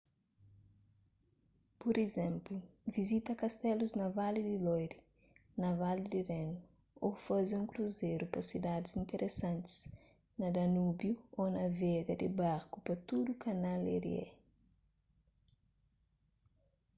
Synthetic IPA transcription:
pɔɾezɛ̃mpluvizit̪ɐkɐst̪ɛluznɐvalid̪ɪlɔjɾi | nɐvalid̪irenu | ofazɪũŋkɾuzeɾupɐsid̪ad̪ɪzĩnt̪eɾʔesãnt̪ɪ̥z̥ | nɐd̪ɐnubjuonɐvɛɡɐd̪ɪbaɾkupɐt̪ud̪ukɐnalḛɾḭɛ̰

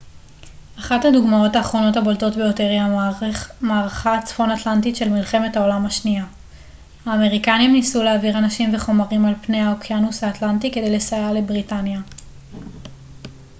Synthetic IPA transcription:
ʔaχathaduɡmao̞taːχʁo̞no̞thabolto̞tbejo̞te̞ʁja | maːʁaχat͡sfo̞natlantitʃe̞lmilχemethao̞lamhaʃnia | haːme̞ʁikanimnisuleaviʁanaʃimve̞χo̞maʁimalpne̞jhaokʰjanusaːtlantike̞de̞jle̞sajale̞bʁitanja

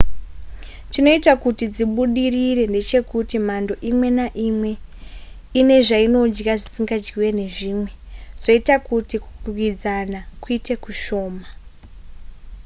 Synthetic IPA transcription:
tino̞itakutid͡ziɓuɗiriɾe̞nde̞t͡ʃe̞kutimando̞ʔimwe̞naʔimwe̞ | ine̞ʐaino̞d͡ʒraʐisiŋɡad͡ʒɡiwe̞ne̞ʐiːmwe̞ʐ̥oitakutiku̥kuwid͡zanakuite̞kuʃo̞ːma

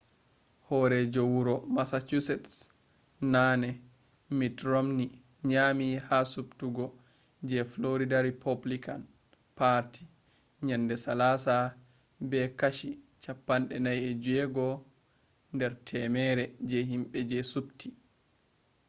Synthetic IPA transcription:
hɔɾɛd͡ʒowuɾɔmasat͡ʃusɛts | nanɛ | mitɾomni | ɲamihasuptuɡɔ | d͡ʒɛfloɾidaɾipʰoblikan | paɾti | ɲandɛsalasa | bɛkaʃi | t͡ʃapːanɗɛnajɛd͡ʒuɛɡɔ | ndɛɾtʰɛmɛɾɛd͡ʒɛɦimɓɛd͡ʒɛsupti

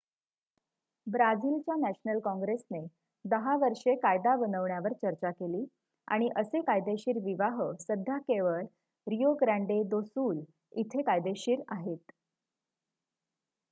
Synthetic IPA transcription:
bɾad͡ziːlt͡ɕjanæɕnəlkɔ̃ŋɡɾesne | d̪əɦaʋəɾʂekajd̪aʋənəʋɳjaʋəɾt͡ɕəɾt͡ɕakeliː | a̰ɽ̃iʔəsekajd̪eɕiːɾʋiʋaɦəsəd̪ʱjakeʋəɭ | ɾijoɡɾaɳɖed̪osuːl | it̪ʰekajd̪eɕiːɾaɦet̪

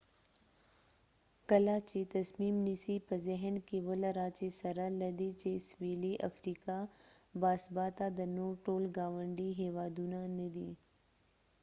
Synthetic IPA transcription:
kɐlaːt͡ʃet̪ɐsmiːmnisipəzeɦənkeʋəlɐɾaːt͡ʃesɐɾəlɐd̪iːt͡ʃeːsʋeːliʔɐ̰fɾiːkabaːsbaːt̪ad̪ɐnoːʈoːlɡaːʋəɳɖiɦeːʋaːd̪unãnəd̪iː

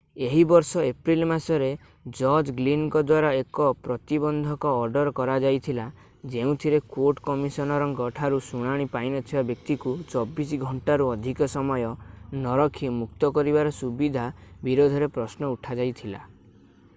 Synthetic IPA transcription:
eɦibɔɾsɔepɾilmasɔɾe | d͡ʒɔɾd͡ʒɡlinkɔd̪waɾaekɔpɾɔt̪ibɔnd̪ʱɔkɔːɾɖɔɾkɔɾad͡ʒajt̪ʰila | d͡ʒeũt̪ʰiɾekoɾʈkɔmisɔnɔɾɔŋkɔʈʰaɾusuɽ̃aɽ̃ipainɔt̪ʰibabjɔk̚t̪ikut͡ʃɔbisɡʱɔɳʈaɾuɔd̪ʱikɔsɔmɔjɔnɔɾɔkʰimuk̚t̪ɔkɔɾibaɾɔsubid̪ʱabiɾod̪ʱɔɾepɾɔsnɔuʈʰad͡ʒajt̪ʰila̰

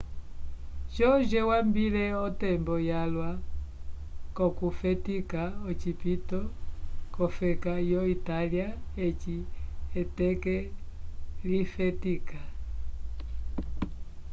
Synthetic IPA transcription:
t͡ʃɔd͡ʒɛwambilɛɔtɛmbɔjalwa | kɔkufɛtikaɔt͡ʃipitɔkɔfɛkajɔitaliaɛt͡ʃiɛtɛkɛ | lifɛtika

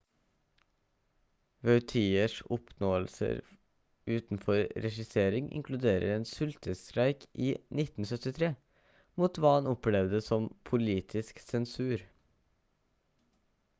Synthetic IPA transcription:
ʋœʉt̪ʰiːəʂɔpʰnoːəlsə̰ɾ | ʉːt̪n̩fɔɾɾɛʃɪseːɾɪŋʔɪ̰ŋkʰlʉd̪eːɾə̰ɾeːnsʉlt̪əst̪ɾæɪkʰʔiːnɪt̪n̩sœt̪ɪt̪ʰɾeː | muːt̪ʋɑːhɑnɔplɛʋd̪əsɔmpʰʊliːt̪ʰɪsksɛnsʉːɾ

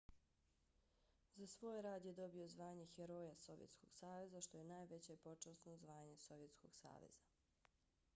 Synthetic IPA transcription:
zasʋo̞ːjɾaːd̪je̞d̪o̞bio̞zʋaːɲe̞xeɾo̞ːjaso̞ʋjet̪sko̞̰ɡ̥saːʋe̞zaʃt̪o̞jenaːjʋe̞t͡ɕepo̞t͡ʃasnozʋaːɲe̞so̞ʋje̞t̪sko̞ɡ̥sa̰ːʋḛz̥a

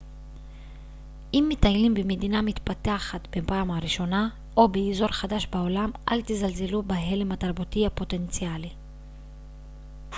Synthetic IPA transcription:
ʔimːitajlimbemedinamit̪pataaχat̪bepaːmhaʁiʃo̞na | ʔo̞beizo̞ʁχadaʃbao̞lamʔa̰lt̪izalze̞lubeɦe̞le̞mataʁbutiapo̞te̞nt͡siali

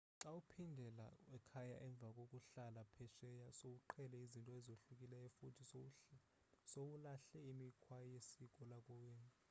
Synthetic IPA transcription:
ǁaupʰindʱɛla̰wɛkʰajaʔɛɱb̪vʱakʼokʼuɬalapʰɛʃɛjasouǃʰɛlɛizintʼɔɛzoɬukʼilɛɛfutʰi | sowulaɬɛimikʰwajesik̬ʼɔlakʼɔwen

